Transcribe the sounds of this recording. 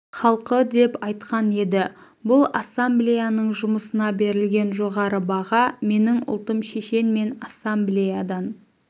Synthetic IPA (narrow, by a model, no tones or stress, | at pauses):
χɑlˠqəd̪e̞pɑjt̪qɑne̞d̪ɪ | bʊlˠasːamblʲijanəɴʒʊməsənɑbe̞ɾɪlɡʲe̞nʒoʁɑɾəbɑʁɑme̞nɪŋʊ̰lˠt̪əmʃe̞ʃe̞nme̞nasːamblʲijad̪ɑn